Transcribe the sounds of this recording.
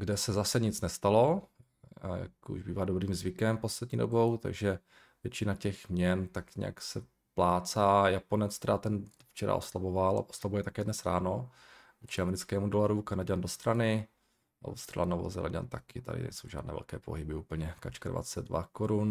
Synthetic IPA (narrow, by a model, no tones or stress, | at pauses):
ɡdɛsɛzasɛɲɪt͡snɛst̪alo̞ | ja̰kṵʒbiːvaːdo̞bɾiːmzvɪkɛmpo̞slɛd̪̚ɲḭːdobo̞wt̪a̰ɡʒɛ | vjɛt͡ʃɪnacɛxmɲɛnt̪akɲɛ̰ja̰ksɛ | plaːt͡saːjapo̞nɛt͡st̪ɛɾat̪ɛnft͡ʃɛɾa̰ʔo̰slabovalʔa̰ʔoslabujɛt̪akɛːdnɛsɾa̰ːno | ot͡ʃɪamɛɾɪt͡skɛːmudolaɾukanaɟandost̪ɾanɪ | ʔa̰wst̪ɾa̰la̰novo̰zɛ̰la̰ɟa̰nt̪akɪt̪adɪ̰nɛ̰jsowʒaːdnɛ̰ːvɛ̰lkɛːpo̰ɦɪbɪuːpl̩ɲɛkat͡ʃkadva̰t͡sɛd̪̚dva̰koɾun